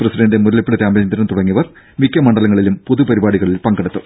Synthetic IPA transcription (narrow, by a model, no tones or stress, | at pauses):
prɐsiɖɐndemuɾɐlipːiɭɐt̪jaːmɐɐnd̪ɐɾɐmt̪uɽɐŋːiʋɐr | ʋikʲːɐmɐɳɖɐlɐŋːɐɭilumpoðupɐɾibaːɽiɣɐɭilpɐŋɡɐɽut̪ːu